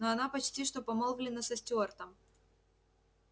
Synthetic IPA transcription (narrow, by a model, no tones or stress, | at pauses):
noɐnapɐt͡ɕtʲiʂt̪opɐmolˠvlʲɪnːəsɐsʲtʲort̪əm